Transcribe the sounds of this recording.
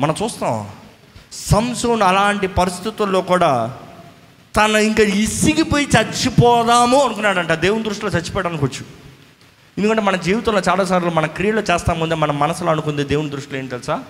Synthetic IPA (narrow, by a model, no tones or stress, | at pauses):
mɐnɐmt͡ʃuːst̪aːwa̰ | sɐmsownuɐlaːɳʈipɐɾist̪ʰit̪ulːo̞ːkuːɽaː | t̪ɐnɐiŋkaːisiɡipoːjit͡ʃɐt͡ʃːipɔːd̪aːmoːɐnukunːaːɽɐɳʈaːɾd̪eːwund̪ɾuʂʈiloːt͡ʃɐt͡ʃːi̥pɔːjɽaːɐnukuʋɐt͡ʃːu̥ | ind̪ukɐɳʈeːmɐnɐd͡ʒiːʋit̪ɐloːt͡ʃaːlaːsaːɾilo̞ːmɐnɐkɾijɐlo̞ːt͡ʃɛːst̪aːmund̪eːmɐnɐmmːɐnɐsuloːɐnukund̪ed̪eːwunud̪ɾuʂʈileːɳɖk̪ɐlsaː